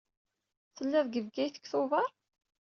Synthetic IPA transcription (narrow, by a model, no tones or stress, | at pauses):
θəlːæðˤɡəvɡæjθə̥kːθʊvɑɾˤ